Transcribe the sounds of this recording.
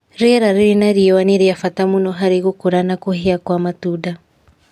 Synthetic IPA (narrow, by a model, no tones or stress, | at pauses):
ɾeɾaɾiɾinaɾiɛwaneɾiafatamunɔɦaɾeɣokoɾanakoheakwamatuda